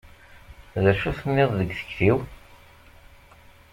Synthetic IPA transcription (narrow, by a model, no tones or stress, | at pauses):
ðæʃuθənːɪðˤðəɡθə̥çθiw